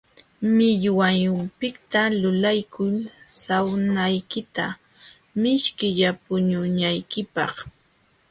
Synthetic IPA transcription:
mɪʎwajʊmpɪkt̪alʊlajkʰʊlsawnajkɪt̪a | mɪʃkɪʎapʊɲʊɲajkɪpɑ̰χ

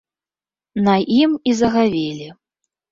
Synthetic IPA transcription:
naʔimizɐɣavʲelʲi

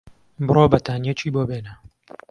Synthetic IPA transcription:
bɨroːbɐt̪ʰaːnjɛt͡ʃʰiːboːbeːnɐ

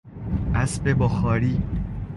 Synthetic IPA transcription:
ʔæsbebɔxɒːɾiː

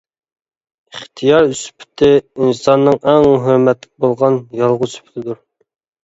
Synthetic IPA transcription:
iχt̪ʰijɑɾyspʰɪ̥t̪ʰɪinsɑnːɨŋɛŋɦøɾmɛt̪lɪk̚ʲbolˠʁɑnjɑlˠʁʊspʰɪ̥t̪ʰɪd̪uɾ

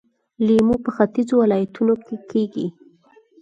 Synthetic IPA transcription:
limupəxat̪izowɪlɑjat̪unokekʰeɡi

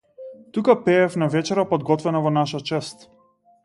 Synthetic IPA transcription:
t̪ukapɛːfnavɛt͡ʃɛɾapɔd̪ɡɔt̪vɛnavɔnaʃat͡ʃɛst̪

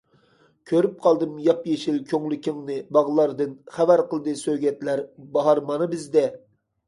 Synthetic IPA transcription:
kʲʰøɾyp̚qʰɑlˠd̪ɨmjɑpjeʃilkʲʰøŋlykʲʰiŋnɨbɑʁlˠɑɾd̪ɨnχævæɾqəlˠɨd̪ɨsøɡʲɛt̪læɾbɑɦɑɾmɑnɨbɪzd̪ɛ

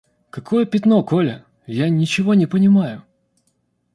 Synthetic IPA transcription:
kɐkʰo̞jəpʲɪt̪no̞ko̞lʲə | janʲɪt͡ɕɪvo̞nʲɪpənʲɪmajʊ

